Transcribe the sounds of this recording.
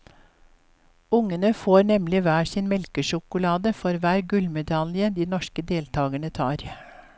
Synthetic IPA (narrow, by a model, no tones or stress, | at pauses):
ʊŋənəfoːɾnɛmlɪʋæːsɪːnmɛlkəʃʊkʊlɑːd̪əfɔɾʋæːɾɡʉlmɛd̪ɑljəd̪iːnɔʃkəd̪eːlt̪ʰɑːɡəɳət̪ʰɑ̰ːɾ